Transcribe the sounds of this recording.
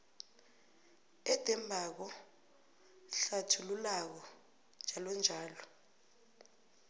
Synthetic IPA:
ɛd̥ʱɛmbʱak̬ɔ | ɬatʰululak̬ɔ | d͡ʒʱalɔnd͡ʒʱaːlɔ

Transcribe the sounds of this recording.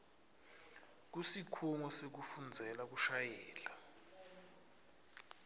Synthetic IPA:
k̬usikʰuŋɔsek̬ufund͡zʱɛlak̬uʃajɛːla

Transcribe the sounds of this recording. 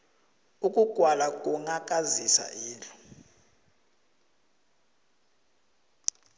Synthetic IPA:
ukʼuɡ̥ʱwalakʼuŋakʼazisa̰ʔiːlɔ̥

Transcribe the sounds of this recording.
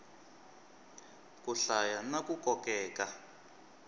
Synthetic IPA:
kuɬajanakukɔkɛːka

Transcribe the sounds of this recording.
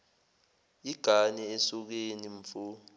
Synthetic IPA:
iɡ̥ʱanɛɛsuk̬eniɱfu

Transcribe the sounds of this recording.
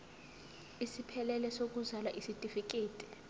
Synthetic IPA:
isipʰɛlɛlɛsok̬ʼuzalaʔisitʼifik̬ʼeːtʼi̥

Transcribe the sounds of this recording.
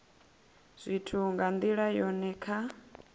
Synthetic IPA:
z̥ʷitʰuŋɡand̪iɺajɔnɛkʰa

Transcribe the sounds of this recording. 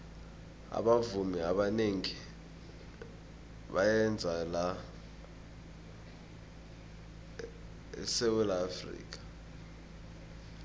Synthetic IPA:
a̰ɓavumiaɓaneŋi | ɓajɛnd͡zʱala | ɛ̰sɛwɛlaːfrḭːk̬ḁ

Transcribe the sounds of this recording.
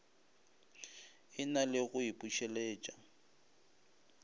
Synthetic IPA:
ɪnalɪɣʊipʼuʃɛlɛːt͡ʃʼa

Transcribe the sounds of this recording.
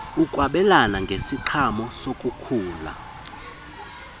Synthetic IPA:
ukʼwaɓɛlanaŋɡʱesiǃʰamɔsokʼukʰuːla̰

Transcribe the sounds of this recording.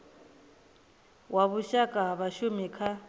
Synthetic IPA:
wʔaβuʃakʼaɦβaʃumikʰa

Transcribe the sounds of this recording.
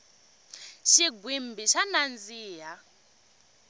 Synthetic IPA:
ʃiɡwimbiʃanand͡ziːɦa

